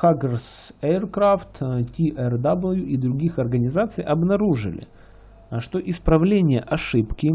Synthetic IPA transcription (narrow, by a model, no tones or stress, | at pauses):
xaɡʲərs | ɛrkɾaft̪tʲiʔɛrd̪abəlʲˠjuʔid̪ɾʊɡʲixɐrɡənʲɪzat̪sɨjʔɐbnɐɾuʐɨ̰lʲɪ̰ | ʂt̪o̞ʔɪspɾɐvlʲenʲɪjəʔɐʂɨpkʲɪ